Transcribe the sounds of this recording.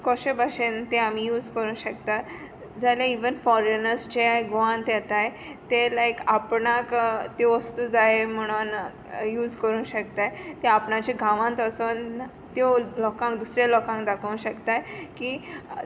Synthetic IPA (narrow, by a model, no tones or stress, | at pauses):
kɔɕebaɕent̪ẽamiːjuːd͡zkəɾũːɕəkt̪a | d͡zaljaiʋənfɔɾenəɾsd͡ʑeɡoãnt̪jɛt̪aj | t̪elajkapɳakt̪eʋəst̪uːd͡zaem̤əɽ̃un | juːd͡zkəɾũːɕəkt̪ajt̪eapɳat͡ɕẽɡʱãʋãnt̪əson | t̪jolɔkãŋkd̪usɾjalɔkãŋkd̪akʰə̃nɕəkt̪ajkiː